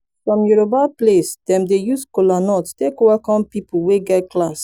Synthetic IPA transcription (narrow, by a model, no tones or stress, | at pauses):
fɹɔ̃mjuɹobaplesd̥ɛ̃mdejuskolanɔttekowakɔ̃mpipoweɡɛt̚klas